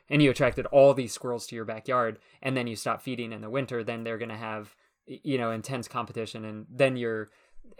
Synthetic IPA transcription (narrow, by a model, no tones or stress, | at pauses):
ɨ̃njɨɨtʰɹ̥æk̚tɨɾɔlˠðiz̥skwɜ˞l̩ˠz̥tʰɨjə˞bækjɑɹd | ʔɨ̃nðɨ̃njɨstɑpfiɾɪ̃ŋɨ̃nðəwɪ̃ntə˞ðɨ̃nðə˞ɡʌñɨəv | jɨñoʊɨ̃ntʰɛ̃nskʰɑ̃mpətɪʃɨ̃nɨ̃nðɨ̃njə˞